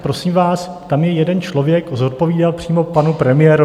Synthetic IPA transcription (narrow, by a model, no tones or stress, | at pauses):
pɾo̞siːmvaːs | t̪amjɛjɛdɛnt͡ʃlo̞vjɛkzo̞t̪̚po̞viːdalpr̥iːmo̞panupɾɛmɪjɛːɾo